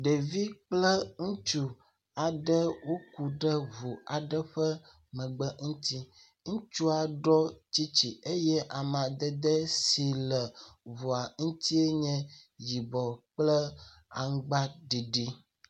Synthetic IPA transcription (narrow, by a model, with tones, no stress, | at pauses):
ɖe˨vi˦k͡plə˦ŋũ˦t͡ʃu˦ | a˨ɖə˦wo˦ku˨ɖə˦vu˨a˨ɖə˦ɸə˦ | mə̃˨ɡ͡bə˦ŋ̩̃˦t̪i˦ | ŋũ˦t͡ʃu˦a˨ɖɔ˦t͡ɕi˦t͡ɕi˨e˦jɛ˦ʔa˨m˨ã˨d̪ə˦d̪ə˦si˨lə˨vo˨a˨ŋ̩˦t̪i˦e˦ɲɛ̃˦ji˨bɔ˨k͡plə˦ | a̰˨ŋ˦ɡ͡ba˦ɖi˨ɖi˦